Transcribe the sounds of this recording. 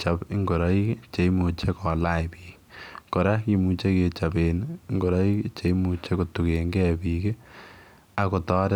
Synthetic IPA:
t͡ʃa˨pɪ˦ŋɡo˨ɾa˨˦i˦kt͡ʃe˨˦i˦mu˨t͡ʃe˦kɔ˨la˦˨jpiːk | kɔ˨ɾa˦ki˨mu˨t͡ʃe˦ke˨t͡ʃa˨be˨n˦ŋɡo˨ɾa˦i˦kt͡ʃe˨˦i˦mu˨t͡ʃe˦ko˨tu˨ke˨ŋɡɛ˦piː˨ke˦ | a˨ko˨tɔ˦ɾe˦

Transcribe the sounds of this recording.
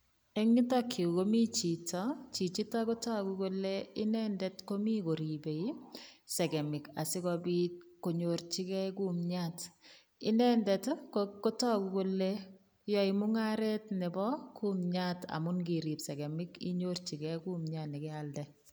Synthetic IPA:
ɛ˦ŋi˦tɔ˦kʰːi˨u˨komi˦t͡ʃi˨tɔ˦t͡ʃi˨t͡ʃi˦tɔ˦ko˦tɔ˦kuko˦le˦ɪ˦nɛndɛtko˦mi˦ko˨ɾi˨be˨i˦sɛ˨ɡɛ˨mɪ˨ka̰˨sɪ˦kɔbi˦ko˨ɲo˨ɾt͡ʃi˦kɛ˦ku˦mɲat | ɪ˦nɛ˦ndɛtkoko˦tɔ˦ku˦ko˦le | jɔ˨i˨mʊ˦ŋa˦ɾɛ˦tnɛ˨bɔ˦ku˦mɲata̰˨mʊ˦nɡi˨ɾi˨psɛ˨ɡɛ˨mɪkḭ˦ɲort͡ʃi˨kɛku˦mɲa˨nɪ˨kɛ˦aldɛ˨

